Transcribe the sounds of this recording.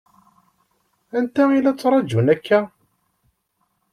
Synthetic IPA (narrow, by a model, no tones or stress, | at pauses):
ænt̪æilæt͡sːɾˤɑd͡ʒunækːæ